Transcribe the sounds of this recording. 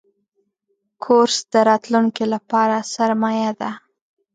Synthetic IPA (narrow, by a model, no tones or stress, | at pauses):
kʰoɾsd̪əɾɑt̪luŋkelapɑɾasaɾmɑjad̪a